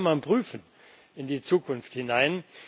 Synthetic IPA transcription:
manpʁ̥yːfn̩ | ɪndiːt͡suːkʰʊnfthɪnaɪn

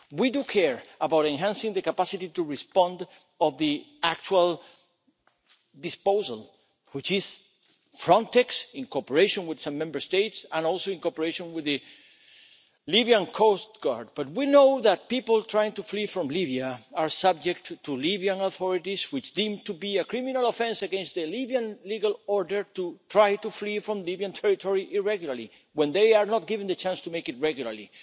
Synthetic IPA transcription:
widukʰɛɹabawɾẽnɦãnsɪ̃ŋðəkapasitituɹispɔ̃nd | ɔvði | ak̚t͡ʃual | d̪ispoʊsa̰l | wit͡ʃɪs | fɾɔ̃nt̪ɛksɪ̃nkopəɹeɪʃõnwið̥sʌ̃mːɛ̃mbə˞st̪eɪtsãnɔlˠsoɪ̃ŋkopəɹeʃõnwiðɨ | libiãnkʰostɡ̥aɹd̚b̥ʌt̪̚winoʊðæt̚piplˠt̪ʰɹajɪ̃ŋtuflifɾɔ̃mliβiaaɹsʌb̚d͡ʒɛk̚ttːulibiãnoθɔɾitiswit͡ʃd̪ĩmt̪ubiakɾimĩnalofɛ̃nsaɡɛ̃nstðəlibiãnliɡalɔɹdə˞t̪ut̪ʰɹajtuflifɾɔ̃mlibiãntʰɛɹitʰɔɹiʔiɹɛɡjulali | wɛ̃nd̪ejaɹnɔt̪̚ɡivɪ̃nd̪ət͡ʃãnstumejkɪt̚ɹɛɡjulaɹli

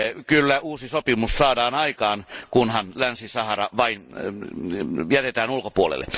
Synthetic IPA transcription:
kylːæuːsisopimussɑːdɑːnɑikɑːnkunhɑnlænsisɑhɑrɑʋɑin | jæt̪et̪æːnulkopuolḛlːḛ

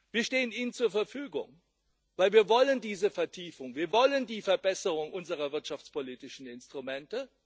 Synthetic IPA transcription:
viːɐʃteːəniːnənt͡suːɐfɛɐfyːɡʊ̰ŋ | v̥aɪlviːɐvɔləndiːzəfɛɐtʰiːfʊŋviːɐvɔləndiːfɛɐbɛsəʁʊŋʔʊnzəʁ̞ɐvɪɐtʃaft͡spʰoliːtɪʃn̩ɪnstʁ̥umɛntə

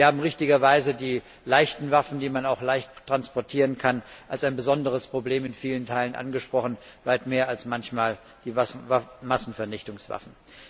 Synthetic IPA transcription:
vɐhaːbm̩ʁɪçtɪɡɐvaɪzədiː | laɪçtn̩vafn̩diːmanaʊxlaɪçttʁ̥anspɔɐtʰiːʁənkʰanʔalsaɪnbəzɔndəʁ̞əspʁ̥obleːmɪnfiːləntʰaɪlənʔa̰nɡəʃpʁ̥ɔχn̩ | vaɪtmeːɐalsmançmaːl | d̥iːmasn̩fɛɐnɪçtʊŋsv̥a̰fn̩

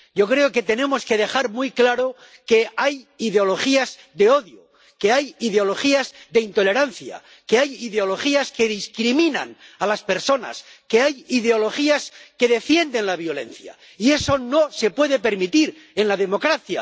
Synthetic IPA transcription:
ɟ͡ʝo̞kɾe̞oke̞t̪e̞nẽ̞mo̞ske̞ðe̞xaɾmujklaɾo̞ | ke̞ajiðeo̞lo̞χiaz | ðe̞o̞ðjo | ke̞ajiðeo̞lo̞χiazðe̞int̪o̞le̞ɾanθja̰ | ke̞ajiðeo̞lo̞xiaske̞ðiskɾimĩna̰nalaspeɾso̞na̰ske̞ajiðeo̞lo̞xiaske̞ðe̞fje̞nd̪e̞nlaβ̞jo̞le̞̰n̟θja̰ | ie̞so̞nose̞pwe̞ðe̞pe̞ɾmit̪iɾ | e̞nlaðe̞mo̞kɾaθja̰

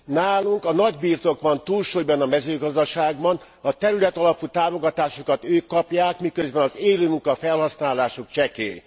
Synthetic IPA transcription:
naːluŋkɒnɒɟbiːrt̪o̞kʋɒnt̪uːlʃoːjbɒnɒmɛzøːɡɒzd̪ɒʃaːɡbɒn | ɒt̪ɛɾylɛt̪ɒlɒput̪aːmo̞ɡɒt̪aːʃokɒt̪øːkːɒpjaːkmikøzbɛnɒzeːløːmuŋkɒfɛlhɒsnaːlaːʃokt͡ʃɛkḛː

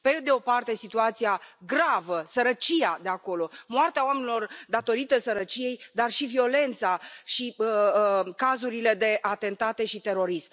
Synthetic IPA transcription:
pe̞d̪e̞o̞part̪e̞sit̪uat̪sijaɡɾavəsəɾət͡ʃiad̪e̞ako̞lo̞moart̪eaoamenilo̞rd̪at̪o̞ɾit̪əsəɾət͡ʃije̞jd̪arʃivio̞le̞nt̪saʃi | kazuɾile̞d̪e̞ʔat̪e̞nt̪at̪e̞ʃit̪e̞ɾo̞ɾism

